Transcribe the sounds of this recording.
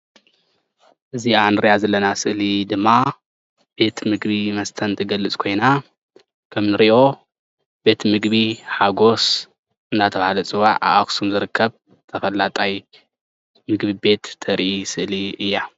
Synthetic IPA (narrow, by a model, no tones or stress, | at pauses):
ʔɨzianɨɾjazɐlːɐnasɨʔlid̪ɨmːa | b̥e̞t̪mɨɡβimɐst̪ʰɐnt̪ʰɐɡɐlɨt͡sʼkʰo̞jna | kʰɐmnɨɾiʔo̞ | b̥e̞t̪mɨɡβiħaɡo̞s | ʔɨnːat̪ʰɐβahalɐt͡sʼɨwa̰ʕa̰ʔaksumzɨɾɨkʰːɐβ | t̪ʰɐfɐlːat̪ʼaj | mɨɡβibe̞t̪ʰːɐɾʔisɨʔliɨjːa